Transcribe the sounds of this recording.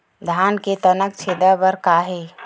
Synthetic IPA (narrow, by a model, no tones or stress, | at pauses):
d̪ʱaːnket̪ənək̚t͡ʃʰed̪əbəɾkaːɦe